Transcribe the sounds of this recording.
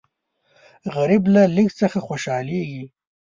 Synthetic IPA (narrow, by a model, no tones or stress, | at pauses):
ɣaɾiblalikt͡səxaxwoʃɑleɡi